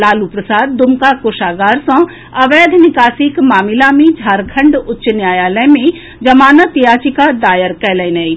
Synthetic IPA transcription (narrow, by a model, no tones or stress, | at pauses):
laːlupɾɐsaːd̪̚ːʊmkakoːʃaːɡaːɾsɔ̃ | ɐʋeːd̪ʱnɪkaːsikmaːmɪlamẽd͡ʒʱaːɾkʰɐ̃ɳɖʊtːʃnjaːjaːləmẽ | d͡ʒɐmaːnət̪jaːt͡ʃikad̪aːjəɾkɛːləjnɛi